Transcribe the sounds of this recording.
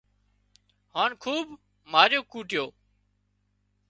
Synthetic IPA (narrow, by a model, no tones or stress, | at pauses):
haːnkʰuːb | maːɾjoːkuːʈɪjoː